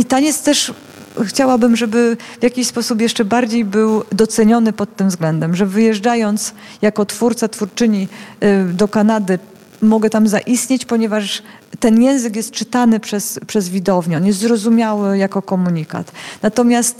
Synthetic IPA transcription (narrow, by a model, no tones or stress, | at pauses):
it̪aɲɛt̪st̪ɛʂ | xt͡ɕawabɘmʐɛbɘvʲjakʲiɕspɔsup̬jɛʂt͡ʂɛbaɾd͡ʑejbɘwd̪ɔt̪sɛɲɔnɘpɔt̪ːɘmvzɡlɛnd̪ɛmʐɛvɘjɛʐd͡ʐajɔnt̪s | jakɔt̪fuɾt̪sat̪fuɾt͡ʂɘɲi | d̪ɔkanad̪ɘ | mɔɡɛt̪amzaʔist̪ɲet͡ɕpɔɲɛvaʂ | t̪ɛnjɛ̃w̃zɘkjɛst̪̚t͡ʂɘt̪anɘpʂɛspʂɛzvʲid̪ɔvɲɛɔnjɛs̬t̪zɾɔzumʲjawɘjakɔkɔmuɲika̰t̪nat̪ɔmʲjast̪